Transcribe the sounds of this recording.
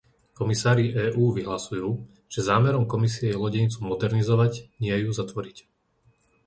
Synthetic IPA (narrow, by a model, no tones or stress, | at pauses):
kɔmisaːɾiʔɛːʔuːʋiɦlasujuː | ʒ̥ɛzaːmɛɾɔmkɔmisiɛjɛlɔɟɛɲt͡sumɔd̪ɛɾnizɔʋaɟɲɪɛjuzat̪ʋɔɾic